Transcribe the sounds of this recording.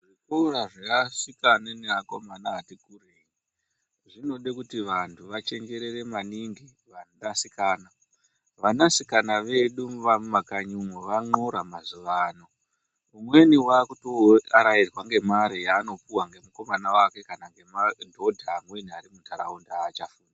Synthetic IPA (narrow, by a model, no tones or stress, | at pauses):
ʐikouɾaʐeaʂikaneneakomanaːtikureɲi | ʐino̞ɗekutiʋantʰuʋat͡ʃe̞ŋɡe̞ɾe̞re̞maniŋɡi | ʋaasikaːna | ʋanasikanaʋe̞ɗuʋamakaɲumweʋaŋ͡ǃo̞ɾamazuʋaːno | umwe̞niwakutoaɾairwaŋɡe̞maɾijaːno̞puwaŋɡe̞muko̞manawake̞kanaŋɡe̞mandʱo̞dʱaːmwe̞niaɾimuntʰaɾa̰undaaːt͡ʃafuːna